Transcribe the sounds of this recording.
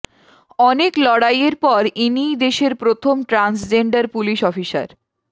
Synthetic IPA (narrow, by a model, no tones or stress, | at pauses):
ɔneklɔɽajeɾpɔɾinid̪eʃeɾpɾot̪ʰomʈɾansd͡ʑeɳɖaɾpuliʃɔfiʃa̰ɾ